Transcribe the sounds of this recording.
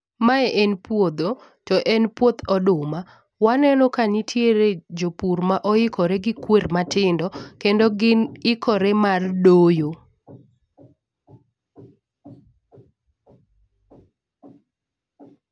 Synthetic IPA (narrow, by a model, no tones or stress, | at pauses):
maɛʔɛnpwod̪o | tɔʔɛnpwot̪ʰɔdʊma | wanɛnɔkanitʰjeɾed͡ʒopurmaʔɔɪkɔɾɛɡɪkwermatɪndɔkendɔɡɪnɪkɔɾɛmardojo